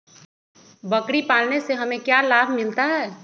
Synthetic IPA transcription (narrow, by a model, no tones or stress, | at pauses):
bɐkɽipaːlneseɦɐmẽkjalaːbʱmɪlt̪aɦɛː